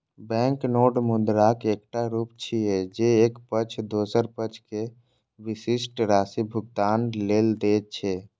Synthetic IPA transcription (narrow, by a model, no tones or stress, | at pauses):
bɛ̃ŋknoːɖmud̪ɾakek̚ʈaɾupt͡ʃʰied͡ʒeekpət͡ʃʰd̪osəɾpət͡ʃʰke | ʋisisʈɾaːsibʱʊɡ̚t̪aːnleːld̪et̪̚t͡ʃʰɛ